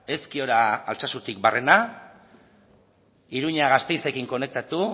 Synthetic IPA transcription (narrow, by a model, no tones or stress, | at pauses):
e̞skio̞ɾaːlt͡sasut̪ik̚bare̞na | iɾuɲaɣ̞ast̪e̞jse̞kiŋko̞ne̞k̚t̪at̪u